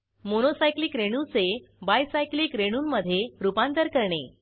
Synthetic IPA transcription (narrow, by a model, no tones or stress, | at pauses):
monosajkliːkɾeɽ̃ut͡se | bajsajkliːkɾeɽ̃uːnməd̪ʱːjeɾupãnt̪əɾkəɾɳe